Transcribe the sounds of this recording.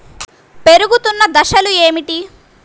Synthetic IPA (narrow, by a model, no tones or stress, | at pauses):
peɾuɡut̪unːɐd̪ɐʃɐlueːmiʈi